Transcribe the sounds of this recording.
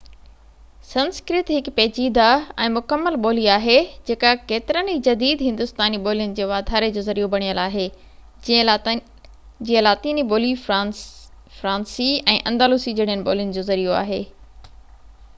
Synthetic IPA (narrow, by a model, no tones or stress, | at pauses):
sɐ̃nskɾɪt̪ɦɪkpeːt͡ɕiːd̪aɛ̃ːmʊkəmːəlɓoːliaːɦed͡ʑeːkakeːt̪ɪɾənɦid͡ʑɐd̪iːd̪ɦɪ̃nd̪ʊst̪aːniɓoːlijʊnɪ̆d͡ʑeːʋaːd̪ʱaːɾed͡ʑoːzɐɾijobɐɽ̃ijəlaːɦeː | d͡ʑiːə̃laːt̪iːniboːli | fɾãːnsiɛ̃ːʔɐ̃nd̪aːluːsid͡ʑeːɽ̤ɪɦənɪ̆ɓo̰ːlijʊnɪ̆d͡ʑoːzɐɾijoa̰ːɦeː